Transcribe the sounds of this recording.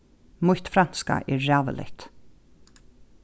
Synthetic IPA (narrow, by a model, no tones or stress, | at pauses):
mʊht̪fɾan̥ska̰ʔɛːɾːæːvə̰lɪ̰ht̪